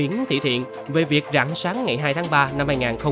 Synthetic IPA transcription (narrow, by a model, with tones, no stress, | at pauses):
i˨˦ənt̪ʰḭ˧˨t̪ʰḭ˧˨ən | ve˨˩vi˨˩ək̚za̰ː˧˩ŋsaː˨˦ŋːa˨˩jɦaː˧jt̪ʰːŋɓaː˧na˧mhaː˧jŋaː˨˩nxə˧w